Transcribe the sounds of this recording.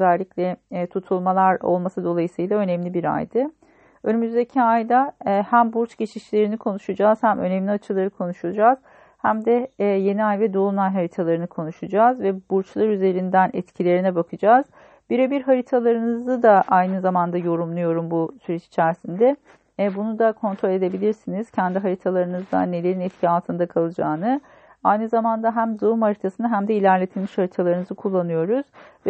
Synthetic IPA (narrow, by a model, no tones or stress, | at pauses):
øzælʲːiclʲɛt̪ʰut̪ʰulˠmalˠaɾo̰lˠmasɯd̪o̞lˠajɯsɯjlˠaø̞nɛmlʲibiɾa̰jd̪ɯ | ø̞nymyzd̪ecʰiajd̪ahæmbuɾt͡ʃɟe̞t͡ʃʰiʃlʲe̞ɾinikʰo̞nuʃɯd͡ʒaːz̥hæmʔø̞̰nɛmlʲiat͡ʃʰɯlˠaɾɯkʰo̞nuʃud͡ʒaːz̥ | hæmd̪ɛje̞niajvɛd̪o̞unajɦaɾit̪ʰalˠaɾɯnɯkʰo̞nuʃud͡ʒaːzvɛbuɾt͡ʃlˠaɾyze̞ɾind̪ænʔɛ̰t̪cʰilʲe̞ɾinɛbakʰɯd͡ʒaːz̥ | biɾebiɾɦaɾit̪ʰalˠaɾɯnɯzɯd̪aʔajnɯzamand̪ajo̞ɾumlˠujo̞ɾumbusyɾɛt͡ʃi̥t͡ʃʰæɾsind̪ɛ | bunud̪akʰo̞nt̪ʰɾo̞lʲe̞d̪e̞bilʲiɾsiniz̥cʰɛnd̪iɦaɾit̪ʰalˠaɾɯnɯzd̪a̰nːe̞lʲe̞ɾinɛt̪cʰialˠt̪ʰɯnd̪akʰalˠɯd͡ʒaːnɯ | ajnɯzamand̪aɦæmd̪oumhaɾit̪ʰasɯnɯɦæmd̪ɛilʲæɾlʲe̞t̪ʰilʲmiʃhaɾit̪ʰalˠaɾɯnɯzɯkʰulˠːanɯjo̞ɾuz̥vɛ